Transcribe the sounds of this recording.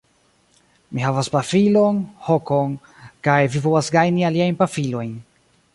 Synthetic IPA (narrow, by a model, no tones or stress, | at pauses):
mihavaspafilo̞nho̞kon | kajvivowasɡajnialiajnpafilo̞jn